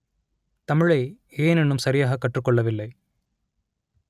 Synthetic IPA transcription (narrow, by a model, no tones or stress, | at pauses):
t̪ɐmɪɻɐɪ | eːnɛɳːɯmsɐɾɪjaːɣɐkːɐʈrɯkːɔɭːɐʋɪlːɐɪ